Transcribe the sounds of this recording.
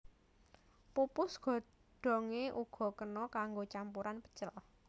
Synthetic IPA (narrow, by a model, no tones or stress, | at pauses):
pupʊsɡ̥ɔ̤ | ɖ̥ɔ̤ŋeʔuɡ̥ɔ̤kənɔkaŋɡot͡ʃampuɾanpə̥t͡ʃəl